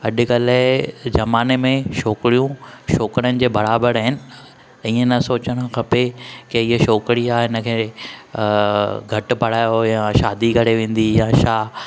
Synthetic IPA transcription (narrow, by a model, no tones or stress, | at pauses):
ɐʄɪ̆kɐlɪd͡ʑɐmaːnemẽʃoːkɾijũʃoːkəɽənɪ̆d͡ʑeːbɐɾaːbəɽɦɪnɪ̆ | ĩːə̃nɐsoːt͡ɕəɽ̃ə̆kʰɐpekeɪɦʃoːkɽiaːɦɪnə̆kʰeː | ɡʱɐʈ̆pɐɽ̤aːjojãːʃaːd̪ikʰɐɽeʋẽːn̆d̪ijaːʃaː